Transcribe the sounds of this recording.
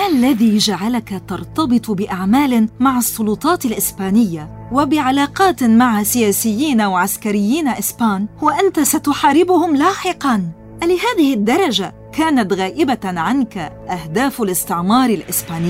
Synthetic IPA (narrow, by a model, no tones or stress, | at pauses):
ʔalːaðiːd͡ʒaʕalakat̪ɑɾˤt̪ɑbɨt̪ˤbɪʔaʕmaːlɪmaʕɑsˤːʊlʊt̪ˤɑːt̪alʔɪsbaːnɪjːa | wabɪʕalaːqɑːt̪maʕasɪjaːsɪjːiːnawʕaskaɾɪjːiːnaʔɪsbaːnhʊwaʔant̪asat̪ʊħaːɾɪbʊhʊmlaːħɪqɑn | ʔalɪhaːðɪhɪd̪ːɑɾˤɑd͡ʒa | kaːnat̪ɣaːʔɪbaʕankaʔahd̪aːfalɪst̪ɪʕmɑːɾˤɪlʔɪsbaːnɪː